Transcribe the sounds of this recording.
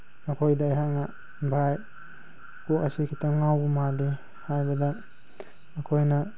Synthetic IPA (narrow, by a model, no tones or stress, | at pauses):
ɐkʰojdajɦaŋa | bʱaj | pokasikʰitʰaŋawbumali | hajbɐdaː | kʰojnɐ